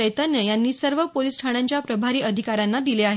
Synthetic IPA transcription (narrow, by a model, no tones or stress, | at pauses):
əjt̪ənjəjanːiːsəɾʋəpolisʈʰaɽ̃ãɲt͡ɕjapɾəbʱaɾiːʔəd̪ʱikaɾjanːad̪ileaɦe